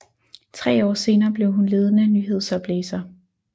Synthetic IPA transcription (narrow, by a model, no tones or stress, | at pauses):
t͡sʰʁɛ̰ːɒ̰ːse̝ːnɐːb̥le̝ʊɦunle̝ːð̞ˠənænyːɦe̝ð̞̰ˠsɒb̥leːsɐ